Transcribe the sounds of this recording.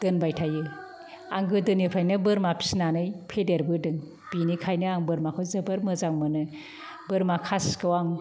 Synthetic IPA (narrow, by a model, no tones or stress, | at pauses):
d̥ɯnbajtʰajɯ | aŋɡɯdɯnipʰɾajnɯbɯɾmapʰi̥snanɯjpʰedeɾbɯdɯŋ | b̥inikʰajnɯaŋbɯɾmakʰɯzɯbɯɾmɯzaŋmɯnɯ | bɯɾmakʰaskɯwaŋ